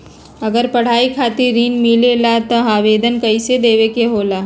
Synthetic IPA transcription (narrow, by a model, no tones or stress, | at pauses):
ɐɡəɾpɐɽ̤aːikʰaːt̪iɾːiːnmilelat̪ɔɦaːʋeːd̪ʱənkɐɪsed̪eːʋekeɦoːlaː